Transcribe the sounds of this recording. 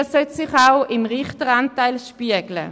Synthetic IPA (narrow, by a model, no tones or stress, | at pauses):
sœtsɪχaʊɪmʁɪχtəʁantaɪlʃpiəɡlə̰